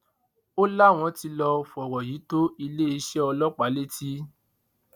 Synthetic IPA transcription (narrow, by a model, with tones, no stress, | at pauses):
o˦la˦˨w̃ɔ̃˧˦ti˧lɔ˧fɔ˨wɔ˨jiː˨˦to˦i˧le˦i˧˦ʃɛ˦ɔ˧lɔ˦k͡pa˨˦le˦tʰi˦